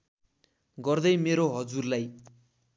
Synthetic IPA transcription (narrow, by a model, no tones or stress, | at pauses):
ɡʌrd̪ʌjmeɾoɦʌd͡zurlaj